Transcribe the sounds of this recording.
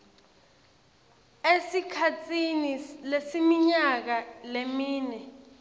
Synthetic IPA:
esikʰatʰinilesimiɲak̬alemiːnɛ

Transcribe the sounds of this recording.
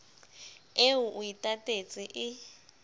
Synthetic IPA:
eʊʔʊitʼatʼet͡sʼɪʔɪ

